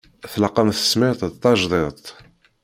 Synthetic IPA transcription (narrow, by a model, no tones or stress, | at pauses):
θlɑqːɑmθə̥smɪɾt̪ˤt̪ˤːɑʒðˤet̪ˤ